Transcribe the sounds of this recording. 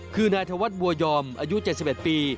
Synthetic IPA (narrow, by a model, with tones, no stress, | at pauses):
kʰɯː˧naː˧jt̪ʰa˧wa˦˥t̪̚bu˧ɐjɔː˧mʔaː˧ju˦˥t͡ɕe˨˩t̪̚si˨˩p̚ʔe˨˩t̪̚piː˧